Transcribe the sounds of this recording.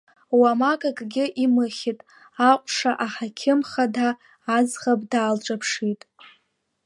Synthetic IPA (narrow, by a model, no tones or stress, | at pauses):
wamakʼakʼɡʲɪʔimɨχʲɪtʼ | aqʷʼʂaʔaħakʲʰɪmχadaː | zχabdaːlʈ͡ʂʼapʰʂitʼ